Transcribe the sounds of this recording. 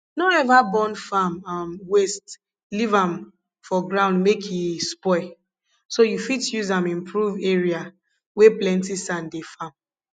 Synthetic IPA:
noɛvabɔ̃nfamamwest | livãm | fɔɡɹãʊ̃ndmekʰjispɔɪ | sojufitjuzãmĩmpʰɹuveɹia | weplɛ̃ntisãndefãm

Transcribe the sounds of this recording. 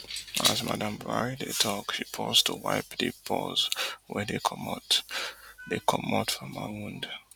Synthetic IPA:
azma̰dãmbɹaɹidetʰɔkʃipʰɔztʰuwa̰ɪpdepʰɔzwɛdekʰʌmat | dekʰʌmatfɹɔ̃ma̰wũnd

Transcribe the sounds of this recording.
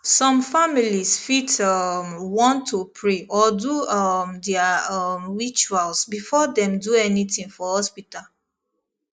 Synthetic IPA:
sɔ̃mfamilisfitamwɔ̃ntʰːupʰɹeʔɔdumdɛamɹit͡ʃualsbifɔdɛ̃mduɛnitĩŋfɔhɔspital

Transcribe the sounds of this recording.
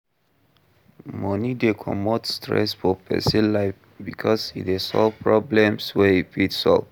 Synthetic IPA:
mɔ̃nidekʰɔ̰mɔtstʰɹɛ̰sfɔpʰɛ̰sĩlaɪf | bikʰɔsḭesɔ̰lvpɹɔblɛ̃mswɛifitsɔ̰lv

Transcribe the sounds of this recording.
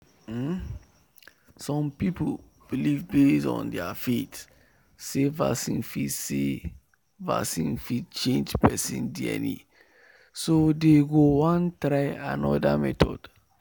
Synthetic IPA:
sɔ̃mpipul | b̥ilivbesɔ̰̃ndɛafet | seva̰sĩnfitse | va̰sĩnfit͡ʃẽnd͡ʒpɛsḭ̃ndiɛ̰nḭ | sodeɡowɔ̃ntɾaɪanɔdamɛtʰɔ̰d̥

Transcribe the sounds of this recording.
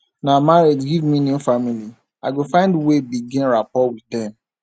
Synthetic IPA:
namaɹid͡ʒɡivmĩnõfamili | aɪɡofãɪ̃ndwebiɡĩnɹapɔwiθdɛ̃m

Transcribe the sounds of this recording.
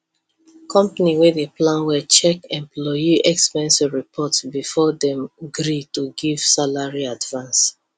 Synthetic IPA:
kʰɔ̃mpaniwɛdeplãnwɛt͡ʃɛkɛ̃mplɔjiʔɛkspɛ̃nsivɹipʰɔtsbifɔdɛ̃mɡɾituɡiv̥salaɹiadvãns

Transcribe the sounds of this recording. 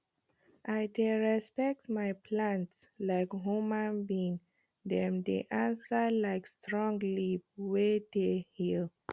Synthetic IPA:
ʔajdeɹɛspɛk̚tmajpʰlãntslaɪkɦumãnbĩn | dɛ̃mdḛʔãnsəlaɪkstɹɔ̃ŋɡlip̚wedehil

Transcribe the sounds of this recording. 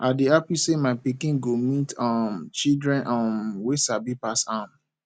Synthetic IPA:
ʔadiapisemaɪpikĩnɡomitãmt͡ʃildɹɛ̃nʔãnwesabipasam

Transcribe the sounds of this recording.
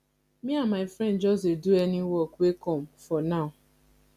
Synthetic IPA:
miamaɪfɾɛ̃ndd͡ʒɔzeduɛniwɔkuekɔm̩fɔnaʊ

